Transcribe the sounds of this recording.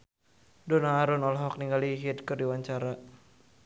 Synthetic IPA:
dɔnaːɾunɔlɦɔk̚niŋɡaliɦit̪kɨrdiwaɲt͡ʃaɾa

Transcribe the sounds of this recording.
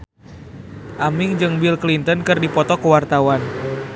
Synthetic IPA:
ʔamiŋd͡ʒɨŋbilklint̪ənkɨrdipɔt̪ɔkəwart̪awan

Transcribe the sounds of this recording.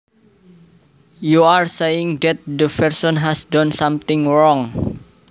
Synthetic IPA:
juarsejɪŋdɛt̪̚d̪əpɛrsɔnɦɛsdɔnsamt̪ɪŋɹɔŋ

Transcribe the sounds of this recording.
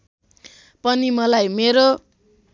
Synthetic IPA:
pʌnimʌlajmeɾo

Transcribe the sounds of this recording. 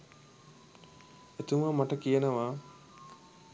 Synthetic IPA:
et̪uməmaʈəkijənəʋaː

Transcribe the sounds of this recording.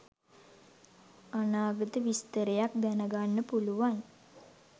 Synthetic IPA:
anaːɡət̪əʋist̪əɾejak̚d̪ænəɡanːəpuluʋan

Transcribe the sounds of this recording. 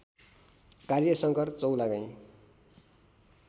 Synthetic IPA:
karjʌsʌŋkʌrt͡sʌwlaɡãj̃

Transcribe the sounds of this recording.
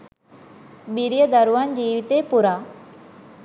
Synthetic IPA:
biɾijəd̪əɾuʋand͡ʒiːʋit̪epuɾaː

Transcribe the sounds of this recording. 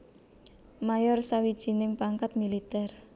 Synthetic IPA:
majɔrsawid̥ʒ̥i̤nɪŋpaŋkat̪̚milit̪ɛr

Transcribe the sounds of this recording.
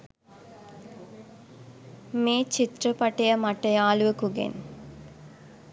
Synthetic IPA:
meːt͡ʃit̪rəpɐʈejəmaʈɐjaːluʋəkuɡḛn

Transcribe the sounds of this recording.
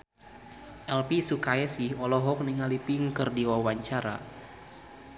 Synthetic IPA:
ʔɛlpisukaɛsihɔlɔɦɔk̚niŋalipiŋkɨrdiwawaɲt͡ʃaɾa̰

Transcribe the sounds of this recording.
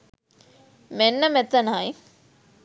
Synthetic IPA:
menːəmɛt̪ənaj

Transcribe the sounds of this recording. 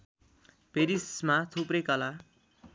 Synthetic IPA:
peɾismat̪ʰuprʌjkʌla

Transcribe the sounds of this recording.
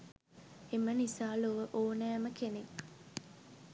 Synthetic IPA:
emənisaːloʋəʔoːnæːməkenek

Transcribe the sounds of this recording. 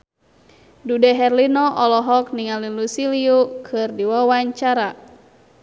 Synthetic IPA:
dudɛɦɛrlinɔʔɔlɔɦɔk̚niŋalilusiliukʰɨrdiwawaɲt͡ʃaɾa

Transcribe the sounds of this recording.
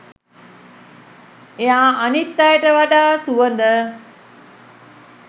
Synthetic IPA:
eaːanit̪ːajəʈəʋaɖaːsuʋənd̪ə

